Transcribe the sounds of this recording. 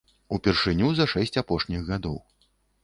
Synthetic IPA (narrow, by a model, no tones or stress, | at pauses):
upʲɛrʂɨnʲuzɐʂɛsʲt͡sʲapɔʂnʲiɣɣad̪ɔw